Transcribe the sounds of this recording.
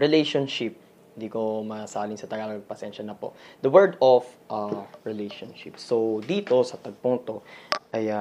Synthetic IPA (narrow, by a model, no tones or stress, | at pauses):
ɹɪlɛjʃonʃɪp̚ | ɪnd̪iːko̞mɐsaːlɪŋsɐt̪ɐɡalɐɡ̚pɐsɛnʃɐnɐpo̞̰d̪ɐwɛɹd̪ofʔaɹɪlejʃonʃɪ̰p̚sowd̪iːt̪o̞sɐt̪ɐɡ̚poŋt̪o̞ʔɐja